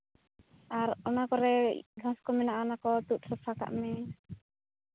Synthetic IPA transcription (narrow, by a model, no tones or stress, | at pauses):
aɾɔnakɔɾɛ̰ɡaskɔminaʔɔnakɔt̪uʔ̪səpaka̰ʔmɛ